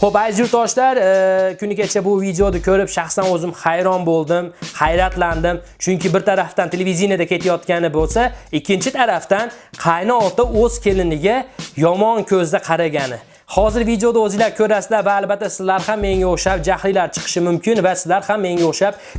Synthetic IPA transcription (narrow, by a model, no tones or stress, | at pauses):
χopajzjʊɾt̪ɒʃlaɾkʲʰʊnɪɡʲat͡ʃʰabʊvid̪eod̪akʲʰɵɾɪpʃaχsanɵzɪmχajɾɒnbolˠd̪ɪmhajɾat̪ʰland̪ɪmt͡ʃʰʊŋkʲɪbɪɾt̪ʰaɾaft̪ant̪ʰelʲevid̪injad̪akʲʰe̞t̪ʰajɒt̪kʲanɪbolˠsaɪkʲːɪnt͡ʃʰɪt̪ʰaɾaft̪anqʰɑjnɪɒt̪aɵz̥kʲʰe̞lɪnɪɡʲajɒmɒnkʲʰɵzd̪aqʰɑɾaɡʲanɪ | hɒzɪɾvid̪eo̞d̪aɵzɪlaɾkʲʰɵɾasd̪avaːlbat̪ːasɪzlaɾhamːe̞ŋʲaoʃap̚d͡ʒahlilaɾt͡ʃʰɨ̥qʰɨ̥ʃɪmʊmkʲɪnvasɪzlaɾhamːe̞ŋʲaoʃap̚